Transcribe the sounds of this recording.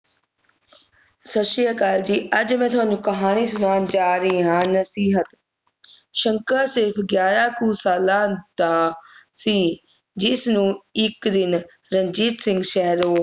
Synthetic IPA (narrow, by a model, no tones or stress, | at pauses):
sɐʃiːəkaːld͡ʑiːɐd͡ʑmẽːt̪ʰoːɲd͡ʑũːkɐɦaːɽ̃is̬ʊnaːnd͡ʒaːɾiːɦãːnɐsiːɦət̪ | ʃɐ̃ŋkəɾsɪɾfɡjaːɾaːkuːsaːlaːd̪aːsiː | d͡ʑɪsnũːɪkd̪ɪn | ɾɐ̃ɲd͡ʒiːt̪sɪ̃ŋɡʃɛɦɾoː